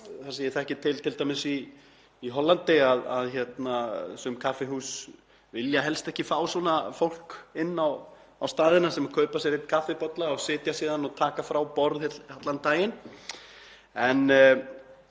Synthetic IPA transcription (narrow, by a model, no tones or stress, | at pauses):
θaɾsejɪɾθaɛhcɪt̪ʰɪlt̪ʰɪlt̪ajmɪsiː | ɦɔlːant̪ɪaða̰ðçɛt̪nasʏmkʰafɪɦuːs | vɪljaɦɛlst̪ɛhcɪfaːwswɔːnafowl̥kɪnːaw | awst̪aːðɪnasɛmakʰœːɥpas̬jɛɾet̪kʰafɪpɔt̪laawsɪːt̪jasiːðanɔt̪ʰaːkafɾawpɔɾðhɛt̪hat̪lant̪aːjɪn | ɛn